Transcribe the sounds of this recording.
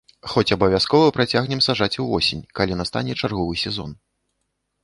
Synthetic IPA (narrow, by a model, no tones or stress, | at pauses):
xɔt͡sʲɐbɐvʲjaskɔvɐpɾat͡sʲaɣnʲɛmsaʐat͡sʲuvɔsʲenʲkalʲinast̪a̰nʲɛt͡ʂarɣɔvɨsʲɛzɔ̰n